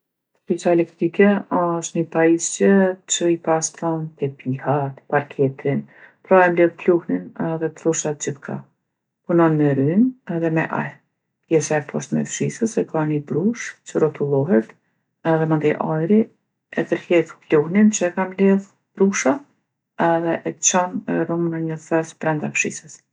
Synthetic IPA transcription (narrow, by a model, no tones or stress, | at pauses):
t̪əfisaɛlɛk̚t̪ɾikɛɔʃt̪nəpaist͡ʃət͡ʃəipast̪ɔnt̪ɛpʰihat̪paɾkʰɛt̪ɾin | pɾɔamlɛðpluhninɛðɛpluʃat̪̚t͡ʃətkʰa̰ | punɔnmɛɾynɛðɛmɛʔa̰j | pjɛsaɛpʰɔʃt̪mɛ̰fʃisəsɛkʰanibɾuʃt͡ʃəɾɔt̪ulˠɔɦɛt̪ | ɛðɛmənd̪iʔajɾi | ɛt̪əɾhɛt̪pluhnint͡ʃəɛkamlɛð | b̥ɾuʃa | ɛðɛʔɛt͡ʃɔnrumənəɲəθɛspɾɛnd̪afʃḭsəs